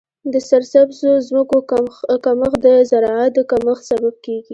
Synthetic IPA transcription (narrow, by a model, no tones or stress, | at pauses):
d̪əsaɾsabzozməkokaməxd̪əzaɾɑat̪̚d̪əkaməxsabab̚keɡi